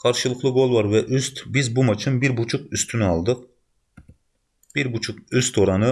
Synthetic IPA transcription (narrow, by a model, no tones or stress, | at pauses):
qʰɑɾʃɨlˠəχlˠɨɡolˠvɑɾvɛʔyst̪bɪzbumɑt͡ʃʰimbɪɾbut͡ʃʰuqyst̪ʰynyɑlˠd̪ɨq̚ | b̥iɾbut͡ʃʰuqøst̪ʰoɾɑnɨ